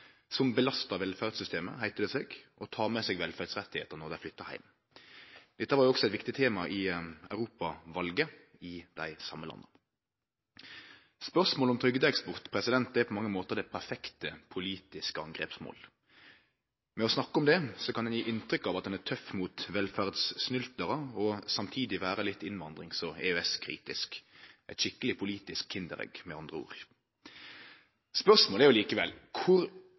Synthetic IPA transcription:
sɔmbəlɑst̪ɑʋɛlfæʁd̪sʏst̪eːmə̰hæɪt̪əd̪ɛseːɡɔt̪ʰɑːmɛseːɡʋɛlfæd̪sʁɛt̪ːɪhḛːt̪ənɔʁd̪æɪflʏt̪ːəhæ̰ɪm | d̪̥ɛt̪ːəʋɑɾjʊɔksɔɛt̪ʋɪkt̪ɪt̪ʰeːmɑʔɪœʉʁuːpɑʋɑlɡə | ɪd̪̥æɪsɑmːəlɑ̰nːə | spœʁsmoːlɔmt̪ʰɾʏɡd̪əɛkspʊʁt̪pʰɾɛsɪd̪ɛnt̪̚d̪æpʰɔmɑŋːəmoːt̪əʁd̪ɛɪpʰæɾfɛkt̪əpʰʊliːt̪ɪskəɑŋɡʁḛːpsmo̰ːl | mɛɔsnɑkːəɔmd̪ɛsɔkʰɑnd̪ɛnjiːʔɪnt̪ʁʏkːɑʋɑt̪̚d̪ɛnæʁt̪ʰœfːmuːt̪ʋɛlfæʁd̪snʏlt̪əʁəɔsɑmt̪ʰiːd̪ɪʋæːʁəlɪt̪ːɪnʋɑnd̪ʁɪŋsɔɛ̰øɛskʰʁḭːt̪ɪ̰skʔɛt̪ʃɪkːəlɪpʰʊliːt̪ɪskʰɪnd̪əʁɛ̰ɡmɛɑnd̪ʁəṵːʁ | spœʁsmoːlæʁjʊliːkəʋɛ̰lkʰʊʁ

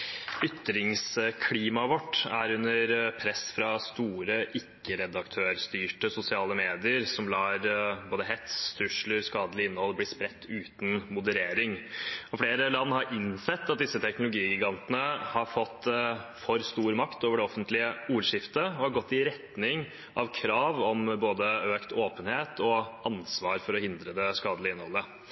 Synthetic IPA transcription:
ʏt̪ːɾɪŋskʰliːmɑʋɔʈːæ̰ɾʉnəɾpʰɾɛsːfɾɑst̪uːɾəʔɪkːəɾɛd̪ɑkt̪ʰøːɾst̪yːʈəsʊsɪɑːləmeːd̪ɪəɾsɔmlɑːɾboːd̪əɦɛt̪st̪ʰɾʉʂləɾskɑːd̪əlɪɪnːəhɔlːblɪːspɾɛt̪ːʉːt̪nmʊd̪əɾeːɾɪŋɔfleːɾəlɑnːhɑɾʔɪnsɛt̪ːɑt̪̚d̪ɪsːət̪ʰɛknʊlʊɡiːɡɪɡɑnt̪ənəhɑɾfɔt̪ːfɔɾst̪uːɾmɑkt̪oːʋəɖɛɔfənt̪lɪəuːɾʂɪft̪əɔhɑɾɡɔt̪ːɪɾɛt̪nɪŋ | ɑʋkʰɾɑːʋɔmboːd̪əøːkt̪ʰoːpənheːt̪ʰɔɑnsʋɑːɾfɔɾɔhɪnd̪ɾəd̪ɛskɑːd̪əlɪɪnːhɔ̰lːə

